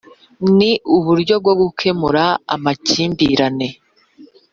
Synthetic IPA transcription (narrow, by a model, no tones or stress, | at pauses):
niuβuɾɟo̞b̚ɡo̞ɡukʰe̞muɾaa̰maciːmbiːɾane̞